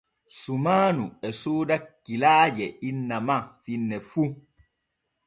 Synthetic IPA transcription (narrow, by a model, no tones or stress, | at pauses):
sumaːnuɛsoːdakːilaːd͡ʒɛinːamafinːɛfu